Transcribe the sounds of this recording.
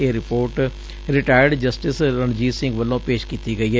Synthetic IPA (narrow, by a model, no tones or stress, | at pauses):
eːɾɪpoːɾʈ | ɾɪʈaːjəɾɖd͡ʒəsʈɪsɾəɳd͡ʒiːsɪ̃ŋɡʋəlːõːpeːʃkiːt̪iːɡəiːɦɛː